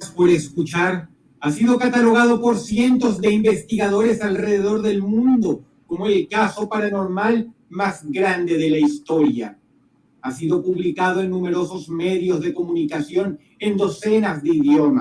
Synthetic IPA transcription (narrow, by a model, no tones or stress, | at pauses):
spo̞ɾeskut͡ʃaɾ | asiðo̞kat̪alo̞ɣ̞að̞o̞po̞ɾsje̞nt̪o̞zðe̞imbe̞st̪iɣaðo̞ɾe̞salre̞ðe̞ðo̞ɾðe̞lmũnd̪o̞ | ko̞moelkaso̞paɾano̞ɾmalmazɡɾand̪e̞ðelaist̪o̞ɾja̰ | asiðo̞puβlikaðo̞e̞nːũme̞ɾo̞so̞zme̞ðjo̞zðe̞ko̞mũnikasjo̞n | e̞nd̪o̞se̞nazðeiðjo̞ma